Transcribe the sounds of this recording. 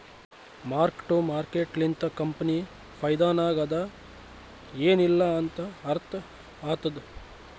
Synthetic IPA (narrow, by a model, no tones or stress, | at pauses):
maːɾkʈumaːɾkeːʈlint̪ɐkɐmpɐni | pʰɐjd̪aːnaːɡɐd̪ɐ | eːnilːɐːnt̪ɐɐɾt̪ʰɐ | aːt̪ɐd̪u